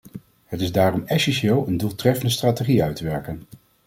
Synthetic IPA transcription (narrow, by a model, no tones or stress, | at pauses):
ɦətɪzdaːrɔmɛsɛnʃɪːlˠəndulˠtrɛfəndəstraːteχiœɥtəʋɛɹkən